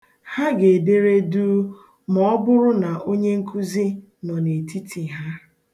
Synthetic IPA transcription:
ha˦ɡe˨de˦ɾe˦duː˦ | mɔ˦bʊ˦ɾʊ˦na˨ʔo˦ɲe˦ŋ̩˦kʰu˦zi˦ | nɔ˨ne˨tʰi˦tʰi˨ɦa˦

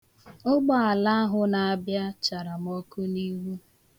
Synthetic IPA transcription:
o˦ɡ͡ba˦a˨la˦a˦ɦʊ˦na˨a˨bja˦t͡ʃa˨ɾa˨m˨o˦ku˦ni˦ɦu˦

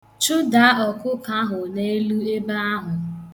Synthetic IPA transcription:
t͡ʃʊ˦da˨˦ɔ˨kʊ˦ka˦ɦʊ˨ne˦e˦lu˦e˦ba˦a˦ɦʊ˨

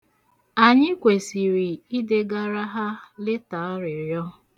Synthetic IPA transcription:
a˨ɲɪ˦kʷe˨si˨ɾi˨i˦de˦ɡa˦ɾa˦ɦa˦lɪ˦ta˨a˦ɾɪ˨ɾjɔ˦

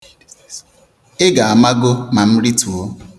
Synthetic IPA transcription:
e˦ɡa˨a˨ma˦ɡo˦ma˨m̩˦ɾi˦tu˨o˦

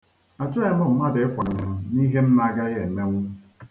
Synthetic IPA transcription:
a˨t͡ʃʊ˦e˦mɔ˦˨m̩˨˦ma˦de˨˦kʷa˨ɲa˨m̩˦ni˦ɦe˦m̩˦ma˦ɡa˦ɣe˨me˦ŋʷu˦

